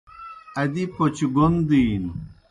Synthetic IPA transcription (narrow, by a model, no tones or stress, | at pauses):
ɐd̪ipot͡ɕɡond̪iːn